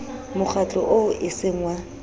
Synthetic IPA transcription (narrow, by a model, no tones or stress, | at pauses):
mʊk͡xʰat͡ɬʼɔ̰ʔoʔɪseŋ̩wa